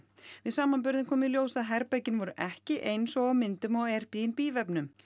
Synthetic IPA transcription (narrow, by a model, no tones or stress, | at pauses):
vɪðsaːmanp̬ʏɾðɪmkʰɔːmɪɪljoːwsaðɦɛɾpacɪnvɔɾʏʔɛhcɪʔejnsɔɣawmɪnt̪ʏmɔɣɛr̥pijɪnpiːvɛpnʏm